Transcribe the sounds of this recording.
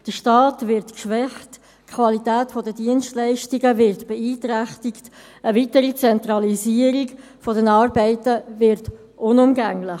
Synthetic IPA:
d̥əʃtɑːtvɪɾtkʃvɛχt | kʰvɑlitɛːtfɔdədiənstlɛɪʃtiɡəvɪɾtb̥ɛiːtɾæχtikt | əvitəɾit͡sɛnt̪ɾɑliziːəɾiɡ | fɔdɛnɑːɾbɛɪtəvɪɾt | ʔʊnʊmɡæŋlɪ

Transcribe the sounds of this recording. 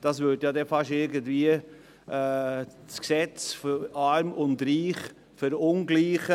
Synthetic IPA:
d̥ɑsvʏdjɑːdɛfɑʃɪɾɡəndviːəː | t͡sksɛt͡sfɑɾmʊndɾiːχ | fʏɾʊnɡliːχə

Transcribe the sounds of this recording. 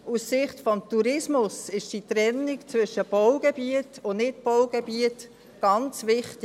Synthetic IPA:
usːɪχtfɔmtuɾɪsmʊsɪʃd̥it̪ɾɛnːikt͡svʏʃəb̥ɔʊɡ̥ebiətʊnɪtpɔʊɡ̥ebiət | ɡ̥ɑnt͡sʋɪχtɪ

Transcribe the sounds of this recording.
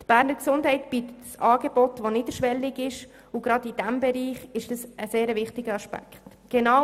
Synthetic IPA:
tb̥æːɾnəɾksʊndɦɛɪtb̥it̪ətsɑːɡeb̥ɔtʋoniːdəʃʋɛlːɪɡɪʃ | ʊɡɾɑdid̥ɛmbɛɾiːχɪʃd̥ɑsəseːɾəvɪχtɪɡəɑʃpæ̰kχt | ɡ̥ɛnɑ

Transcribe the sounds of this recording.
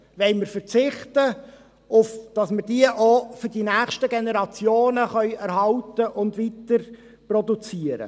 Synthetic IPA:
ʋɛlməɾfəɾt͡sɪχtə | ʊfd̥ɑsməɾd̥iəʔofʏɾd̥inæːχʃtəɡenɛɾɑt͡sjoːnəχœɥæɾɦɑltəʔʊndʋitəɾ | prɔdut͡siːəɾə̰

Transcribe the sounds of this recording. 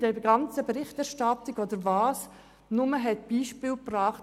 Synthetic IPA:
d̥ɛɡɑnt͡səbeɾɪχtæɾʃtɑtɪɡod̥əɾvɑːs | nʊməɦɛtb̥iːʃpɪːlprɑːχt

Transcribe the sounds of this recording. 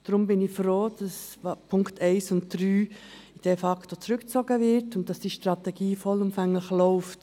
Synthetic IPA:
d̥ɾʊmbɪnɪçfɾoːd̥ɑspʰʊŋktʰɛɪsʊntd̥ɾyːd̥efɑktot͡sɾʏkt͡soɡəvɪɾtʊnt̚d̥ɑsd̥iːʃtɾɑtɛɡ̥iːfɔlʊmfɛŋləxlɔʊft

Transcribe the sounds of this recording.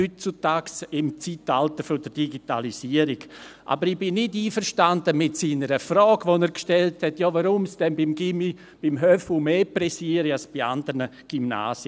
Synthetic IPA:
ytt͡sutaːksɪmt͡sitaltəfɔdəɾd̥iɡita̰lisiəɾiɡʔa̰bəɾɪb̥ɪnːɪdiːfəɾʃtandəmɪtsiːnəɾəfɾɔːɡʋonɛːɾkʃtɛlthɛtjɔːvaɾʊmsd̥ɛnbɪmɡimi | b̥ɪmɦœfumeːpɾɛsiːəɾialsb̥ia̰ndəɾnə | ɡ̥ymna̰ːsjə

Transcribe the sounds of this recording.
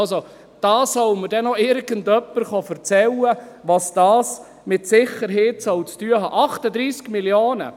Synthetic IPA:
lso | d̥ɑːsœwməɾdɛnɔɪɾɡəndœpːəɾχɑfəɾt͡sɛlə | ʋɑsd̥ɑːs | mɪtsɪχəɾɦeːtsœwt͡styəɦɑ̰ːʔɑχtəd̪ɾiːskmiljoːnə̰

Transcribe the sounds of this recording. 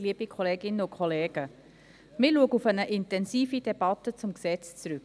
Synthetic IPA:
liəb̥ikʰɔleːɡɪnəʊkʰχɔleːɡ̥ə | mɪluəɡəufənəʔɪntɛnsiːfid̥ɛb̥ɑtət͡sʊmksɛt͡st͡sɾʉk

